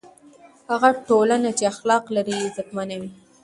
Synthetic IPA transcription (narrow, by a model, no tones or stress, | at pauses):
haɣaʈolanat͡ʃeaxlɑqlaɾizakmanawi